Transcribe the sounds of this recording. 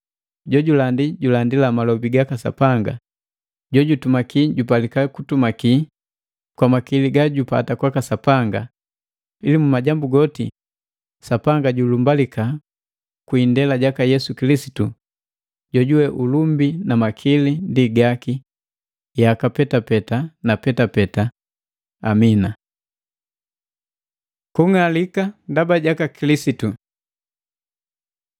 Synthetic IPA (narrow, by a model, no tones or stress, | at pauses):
ɟɔɟulandiɟulandilamalɔbiɡakasa̰paŋɡa̰ | ɟɔɟutumakiɟupalikakutumaki | kwamakiliɡaɟupa̰takwakasapaŋɡa | ilimumaɟambuɡɔtḭ | sapaŋɡaɟulumbalika | kwindɛlaɟakajɛsukilisi̥tu | ɟɔɟuwɛʔulumbinamakʰilindiɡaki | jakapɛtapɛtanapɛtapɛta | amina | kuŋalikandabaɟakakilisitu